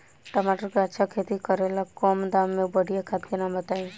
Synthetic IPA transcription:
ʈəmaʈəɾkat͡ʃʰakʰet̪ikəɾelakɔːmd̪amːẽbəɽijakʰat̪kenamət̪aĩ

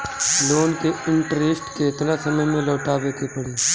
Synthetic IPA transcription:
loːnkeɪ̃ɳʈɾeːsʈket̪nasɐməjmẽlɔːʈaːʋeːkepɐɽeː

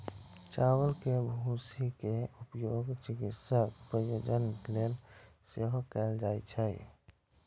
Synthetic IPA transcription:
t͡ʃawəlkebʱusikeupjoɡt͡ʃɪkit̪səkpɾəjoːd͡ʒənlelseɦokɛːld͡ʒaːjt͡ʃʰɛḭ

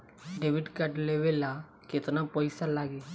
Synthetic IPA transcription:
ɖeʋɪɖkɐʈleʋela | ket̪napɔɪsalaːɡe

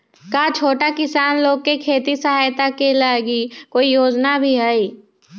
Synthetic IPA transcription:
kaːt͡ʃʰoːʈakɪsaːnloːɡ̚kekʰeːt̪isəɦaːjt̪akelaːɡikoːijoːd͡ʒnabʱiɦaiː

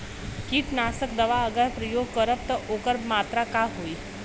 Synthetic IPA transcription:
kiːʈnasəkd̪əʋaəɡəjpɾəjoɡ̚kəɾəp̚t̪əʔokəɾbmat̪ɾakaɦoi

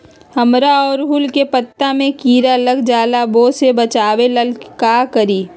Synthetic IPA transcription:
hɐmɾaɔːɾɦʊlkepət̪ːamẽkiːɾaləɡd͡ʒaːlaboːsebɐt͡ʃaːweləlkaːkəɾiː

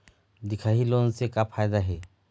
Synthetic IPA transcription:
d̪ikʰaɦilonsekapʰajd̪aɦe

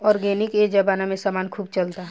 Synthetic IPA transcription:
ɔːɾɡɛːnɪked͡ʒabaːnamẽsaːmaːnkʰuːb̚t͡ʃɐlt̪aɦ

